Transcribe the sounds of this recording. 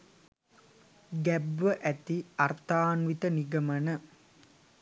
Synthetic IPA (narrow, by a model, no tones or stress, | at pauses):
ɡæbʋəʔæt̪iart̪aːnʋit̪əniɡəmənə